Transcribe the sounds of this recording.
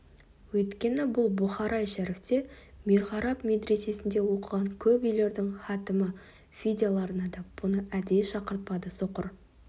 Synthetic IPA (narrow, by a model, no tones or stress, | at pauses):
wɵjt̪kʲe̞nɪbʊlˠbʊχɑɾʔɑjʃæɾeft̪e̞meɾʁɑɾɑpme̞d̪ɾe̞se̞sɪnd̪e̞wo̞qəʁɑŋkʲʰɵpʏjle̞ɾd̪ɪŋχɑt̪əmə | fʲid̪ʲalˠɑɾənɑd̪ɑb̥ʊnəʔæd̪e̞jʃɑqəɾt̪̚pɑd̪əsoqə̰ɾ